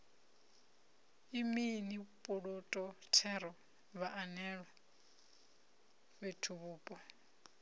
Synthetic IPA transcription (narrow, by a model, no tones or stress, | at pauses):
iminipʼuɺotʼɔtʰɛɾɔ | βaʔanɛɺwa | βetʰuβuːpʼɔ